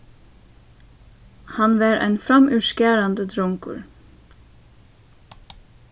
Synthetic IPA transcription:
hɑnʋɑːɾʔæ̰ɪnfɾɑmʔʉʃkæːɾɑnd̪əd̪ɾɔŋkʊ̰ɹ

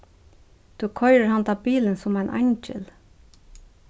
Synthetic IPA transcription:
d̪̥ʉːkʰɔʏɾəɹhɑnd̪ɑːbiːlənsʊmæɪnʔæ̰ɲd͡ʒə̰l

